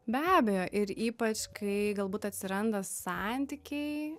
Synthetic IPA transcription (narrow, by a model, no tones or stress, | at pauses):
bʲæːbʲɛjoːʔɪɾiːpɐt͡ʃkɐɪɡɐlˠbuːt̪ɐt̪ʲsʲɪɾɐnd̪ɐsɑnʲt̪ʲikʲɛɪ